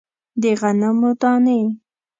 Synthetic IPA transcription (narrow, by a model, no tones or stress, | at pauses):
d̪eɣanamot̪ɑne